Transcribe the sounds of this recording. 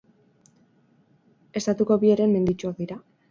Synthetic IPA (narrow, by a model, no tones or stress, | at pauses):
e̞st̪at̪uko̞βie̞ɾe̞mme̞nd̪it͡ʃuokðiɾa